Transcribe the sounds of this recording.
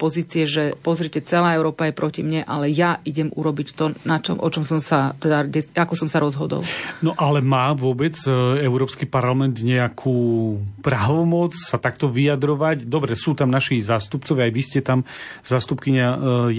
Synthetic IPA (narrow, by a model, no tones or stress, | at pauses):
pɔziːt͡siɛʒɛpɔzɾicɛt͡sɛlaːɛʊɾɔːpajɛpɾɔcimɲɛʔa̰lɛjaʔiɟɛmṵɾɔbict̪ɔnat͡ʃɔ̰mʔɔt͡ʃɔmsɔmsat̪ɛd̪aɟɛakɔsɔmsaɾɔzɦɔd̪ɔ̰lnɔʔalɛmaːʋʊɔbɛt͡sɛʊɾɔːpskipaɾlamɛnd̪ɲɛakʰuːpɾaʋɔmɔt͡ssat̪ak̚t̪ɔʋiad̪ɾɔʋacd̪ɔbɾɛsuːt̪amnaʃizaːst̪upt͡sɔʋɪaːjʋiscɛt̪amzaːst̪upkiɲaj